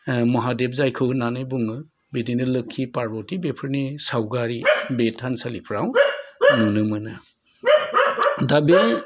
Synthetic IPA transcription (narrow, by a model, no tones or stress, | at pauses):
mɔɦadeb̚zajkʰɯwnanɯjbuŋɯ | bedinɯlɯkʰːipaɾbɔtibepʰɯɾnisawɡaɾibetʰansalipʰɾawnunɯmɯnɯ | dabe